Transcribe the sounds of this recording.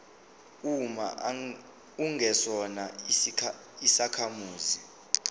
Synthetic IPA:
uma̰ | uŋʱɛsɔna | isakʰamuːzi

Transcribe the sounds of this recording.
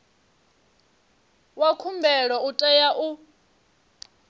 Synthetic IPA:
wakʰumbʱɛɺɔutʼɛjaʔu

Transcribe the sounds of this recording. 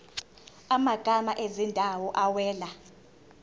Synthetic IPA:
amaɡ̥ʱamaʔezindʱawɔʔawɛːla

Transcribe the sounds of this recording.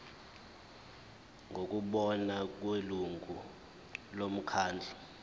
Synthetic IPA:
ŋʱok̬ʼuɓɔnak̬weluŋʱu | lom̩kʰaːnd͡ɮʱa

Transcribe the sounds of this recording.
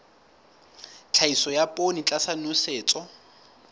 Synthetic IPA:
t͡ɬʰaisɔjapʼonit͡ɬʼasanuseːt͡sʼɔ

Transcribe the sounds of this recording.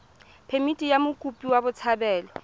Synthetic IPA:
pʰemitʼijamʊkʼupʼiwabʊt͡sʰabɛːlɔ

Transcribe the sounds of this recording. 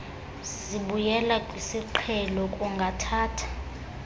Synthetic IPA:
z | iɓujɛlakʼwisiǃʰɛlɔkʼuŋɡʱatʰaːtʰḁ

